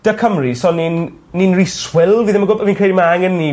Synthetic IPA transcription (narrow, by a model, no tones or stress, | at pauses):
d̥əkʰəmrisɔninː | inriswɪlˠviːðɛmaɡʊlbɛviːnkʰrejdimaaŋɛnːi